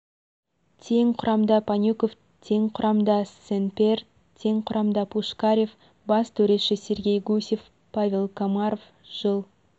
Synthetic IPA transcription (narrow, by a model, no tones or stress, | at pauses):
t̪ʰe̞ŋqʰʊɾɑmd̪ɑpʰanʲukof | t̪ʰe̞ŋqʰʊɾɑmd̪ɑsenpʲe̞r | t̪ʰe̞ŋqʰʊɾʔɑmd̪ɑpʰuʃkaɾʲef | bɑst̪ʰɵɾe̞ʃɪsʲe̞ɾɡʲe̞jɡusʲe̞f | pavʲe̞lˠkʰomaɾof | ʒ̥əlˠ